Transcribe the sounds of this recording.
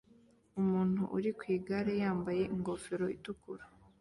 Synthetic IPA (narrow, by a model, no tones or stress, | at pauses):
umuːn̥hṵʔuɾikwiːɡaɾejaːmbaje̞ʔiŋɡo̞fe̞ɾo̞itukuɾa